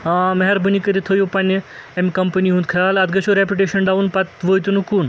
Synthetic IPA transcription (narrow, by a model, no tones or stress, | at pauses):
mɐɦɐɾbənikəɾit̪ʰɐjopɐnʲemʲkɐmpəniɦũnt̪kʰɐjaːlɐd̪ɡɐʃʰuɾepʲjuʈeʃɐnɖaʋunpɐt̪ʋojt̪ʲunukuːn